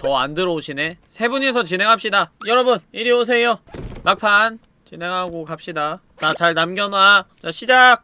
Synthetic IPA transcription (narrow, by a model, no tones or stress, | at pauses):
tʌandɯɾʌoɕʰine̞sʰe̞bunes̬ʰʌt͡ɕinɦe̞ŋɦap̚ɕ͈idajʌɾʌbuniɾios̬ʰe̞jomak̚pʰan | t͡ɕinɦe̞ŋɦaɡokap̚ɕ͈ida | tat͡ɕaɭnamɡjʌnat͡ɕaɕʰid͡ʑak̚